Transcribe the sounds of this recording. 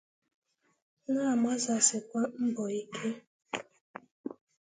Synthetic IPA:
na˦a˨ma˦za˨sɪ˨kʷa˦m̩˦bɔ˨i˦kʰe˦

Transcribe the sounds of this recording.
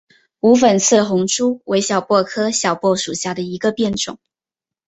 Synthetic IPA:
u˧˥f̬ə˨˩nt͡s̩ʰ˥˩xʊ˧˥ŋʈ͡ʂu˥wʔe˧˥ɪɕjɑ˨˩ʊpwɔ˥˩kʰɤ˥ɕjɑ˨˩ʊpwɔ˥˩ʂu˨˩ɕja˥˩d̪ə˩i˧˥ɡə˧pjɛ˥˩nʈ͡ʂʊ̰˨˩˦ŋ

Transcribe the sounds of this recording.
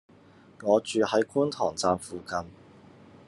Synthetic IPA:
ŋɔː˨˧t͡ʃyː˨˧hɐ˨˥jkuː˥nt̪ʰɔː˨˩ŋt͡saː˧mfuː˨kɐ˧n

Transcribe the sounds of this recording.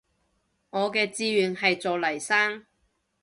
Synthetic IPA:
ŋɔː˨˧kɛː˧t͡siː˧ɥyː˨˧nɦɐ˨jt͡sɔː˨lɐ˨˩jsaː˥ŋ

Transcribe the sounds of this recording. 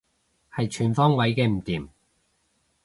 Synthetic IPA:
hɐ˨jt͡ʃʰyː˨˩nfɔː˥ŋwɐ˨˥jkɛː˧m̩˨˩t̪iː˨˩m

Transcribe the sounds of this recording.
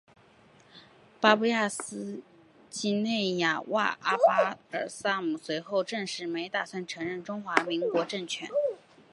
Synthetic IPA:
pa˥pu˥ja˥˩sɹ̩˥ | t͡ɕi˥ne˥˩ɪja˨˩wa̰˥˩ʔa˥pa˥ə˞˨˩sa˥mu˨˩swe˧˥ɪxo˥˧ʊʈ͡ʂɤ˥˧ŋʂɻ̩˥˩me˧˥ɪt̪a˥˩swa˥˩nʈ͡ʂʰɤ˧˥ŋɻə˥˩nʈ͡ʂʊ˥ŋxwa˧˥mi˧˥ŋkwɔ˧˥ʈ͡ʂɤ˥˩ŋt͡ɕʰɥɛ̰˧˥˦n

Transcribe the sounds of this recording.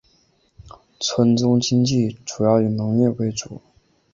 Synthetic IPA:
t͡sʰwə˧˥nt͡sʊ˥ŋt͡ɕi˥ŋt͡ɕi˥˩ʈ͡ʂu˨˩jɑ˥˩ʊy˨˩nɤ˧˥ŋjɛ˥˩we˧˥ɪt͡su˨˩˦

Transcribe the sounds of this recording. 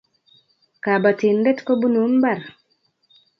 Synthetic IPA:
ka˨ba˨ti˨ndɛ˦tko˦bu˦nu˨˦nba˦˨r

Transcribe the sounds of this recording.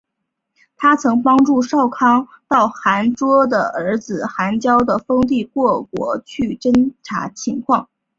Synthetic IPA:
t̪ʰa˥t͡sʰɤ˧˥ŋpɑ˥ŋʈ͡ʂu˥˧ʂɑ˥˩ʊkʰɑ˥ŋt̪ɑ˥˩ʊxa˧˥nʈ͡ʂwɔ˥d̪ə˨ə˞˧˥d͡zɹ̩˨˩xa˧˥nt͡ɕjɑ˥ʊd̪ə˨fɤ˥ŋt̪̬i˥˧kwɔ˥˩kwɔ̰˧˥t͡ɕʰy˥˩ʈ͡ʂə˥nʈ͡ʂʰa̰˧˥t͡ɕʰi˧˥ŋkʰwɑ˥˩ŋ

